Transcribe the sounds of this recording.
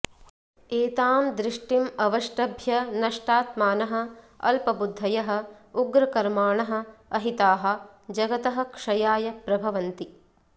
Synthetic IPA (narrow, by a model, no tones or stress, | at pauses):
eːt̪aːmd̪ɾɪʂʈimɐʋɐʂʈɐbʱjɐnɐʂʈaːt̪maːnɐɦɐ̆ | ɐ̰lpɐbud̪ʱːɐjɐɦɐ̆uɡɾɐkɐɾmaːɳɐɦɐ̆ɐɦit̪aːɦɐ̆ | d͡ʒɐɡɐt̪ɐɦɐ̆kʂɐjaːjɐpɾɐbʱɐʋɐnt̪i